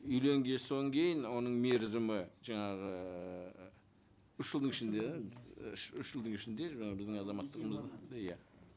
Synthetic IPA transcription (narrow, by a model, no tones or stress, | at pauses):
ʏjle̞ŋɡʲe̞soŋkʲʰe̞jɪnwo̞nəɴme̞ɾzɪmɪʒɑɴɑʁə | ʏʃʒəlˠd̪əɴɪʃɪnd̪e̞ | ʃʏʃʒ̥əlˠd̪əɴɪʃɪnd̪e̞ʒɑbɪzd̪ɪŋɑzɑmɑt̪ːəʁəməzd̪ɑd̪jæ